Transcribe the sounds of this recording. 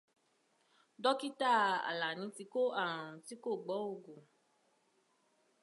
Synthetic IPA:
dɔ˦ki˦ta˦˨a̰˨la˨nĩ˨˦ti˧ko˦ã˦˨ũ˨ti˨˦ko˦˨ɡ͡bɔ˨˦o˦˨ɡu˨

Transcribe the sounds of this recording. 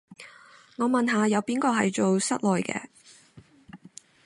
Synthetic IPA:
ŋɔː˨˧mɐ˨nɦaː˨˧jɐ˨˧wpiː˨˥nkɔː˧ɦɐ˨jt͡ʃo˨wsɐ̰˥t̚lɔː˨jkɛ̰ː˧

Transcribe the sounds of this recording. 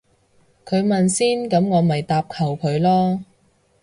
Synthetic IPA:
kʰɵ˨˧ɥmɐ˨nsiː˥nkɐ˨˥mŋɔː˨˧mɐ˨jt̪aː˧p̚kʰɐ˨˩wkʰɵ˨˧ɥlɔː˥

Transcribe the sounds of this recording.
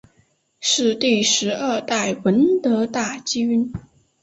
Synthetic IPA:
ʂɻ̩˥˧t̪i˥˩ʂɻ̩˧˥ə˞˥˧t̪a˥˩ɪwə˧˥nt̪ɤ˧˥t̪a˥˩t͡ɕi˥y˥n

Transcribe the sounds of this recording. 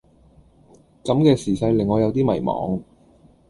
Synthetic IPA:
kɐ˨˥mkɛː˧siː˨˩sɐ˧jlɪ˨˩ŋːɔː˨˧jɐ˨˧wt̪iː˥mɐ˨˩jmɔ̰ː˨˧ŋ

